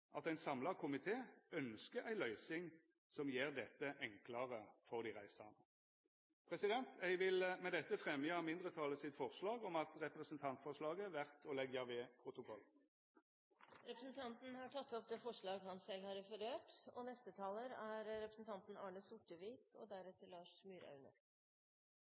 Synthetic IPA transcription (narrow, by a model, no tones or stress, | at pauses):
ʔɑt̪æɪnsɑmlɑkʰʊmɪt̪ʰeːœnskəɾæɪlœʏsɪŋ | sɔmjeːʁd̪ɛt̪ːəʔɛŋklɑʁəfɔʁd̪iʁæɪsɑ̰n | pʰʁɛsɪd̪ɛnt̪æɪʋɪlmɛd̪ɛt̪ːəfʁɛmjəɑmɪnd̪ʁət̪ʰɑːləsɪt̪fɔʁʂlɑːɡɔmɑt̪ʁɛpɾɛsnt̪ʰɑnt̪fɔʁʂlɑːɡəʋæʁt̪ʰɔlɛɡjɑʋepʰʁʊt̪ʊkʰɔlː | ɾɛpɾəsn̩t̪ʰɑnt̪n̩hɑʈʰɑt̪ːɔp̚d̪eːfɔʂɭɑːɡhɑnsɛlhɑɾɛfəɾeːʈɔnɛst̪ət̪ʰɑːləɾæɾɾɛpɾəsn̩t̪ʰɑnt̪n̩ɑːɳəsʊʈːəʋiːkɔ̰d̪æɾɛt̪ːəɾlɑːʂmyːɾɑ̰ʉnə̰ɾ